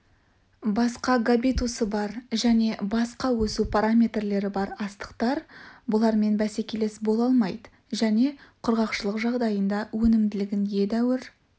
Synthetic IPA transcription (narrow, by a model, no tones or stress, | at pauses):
bɑsqɑɡabit̪usəbɑɾʒæne̞bɑsqɑwɵsupʰaɾamʲe̞t̪rle̞ɾɪbɑɾɑst̪ə̥qt̪ɑɾbʊlˠɑɾme̞nbæse̞kʲe̞le̞sbo̞lˠɑlˠmɑjd̪ə | ʒæne̞qʰʊɾʁɑqʃəlˠəqʒɑʁd̪ɑjənd̪ɑwɵnɪmd̪ɪlɪɡʲɪnje̞d̪æwɪɾ